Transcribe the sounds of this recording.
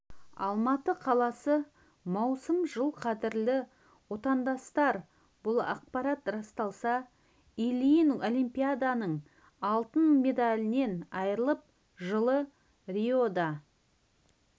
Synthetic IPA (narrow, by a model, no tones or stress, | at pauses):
ɑ̰lˠmɑt̪əqʰɑlˠɑsə | mɑwsəmʒəlˠqʰɑd̪ɪɾlɪ | wo̞t̪ɑnd̪ɑst̪ɑɾ | bʊlˠɑ̰q̚pɑɾɑt̪rɑst̪ɑlˠsɑ | ilʲijno̞lʲijmpʲijad̪anəɴ | ɑlˠt̪ənme̞d̪alʲɪne̞nɑjəɾəlˠəp̚ | ʒəlˠə | riod̪ɑ